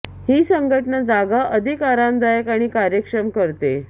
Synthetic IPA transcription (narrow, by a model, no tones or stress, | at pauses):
hiːsəŋɡʱəʈəɳəd͡zaɡaʔəd̪ʱikaɾãnd̪ʱajəkaɽ̃ikaɾjəkʂɾəmkəɾt̪ḛ